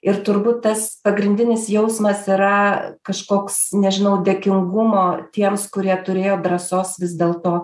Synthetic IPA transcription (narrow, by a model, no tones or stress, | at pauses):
ɪɾt̪ʊɾbuːt̪̚tɐspɐɡɾʲɪnʲd̪ʲɪnʲɪsjɛʊsmɐsɪɾɐkɐʃkoːksnʲɛʒʲɪnɐʊd̪ʲeːkʲɪŋɡʊmoːt̪ʲiɛmskʊɾʲiɛt̪ʊɾʲeːjoːd̪ɾɐsoːsʋʲɪzd̪ʲeːlˠt̪oː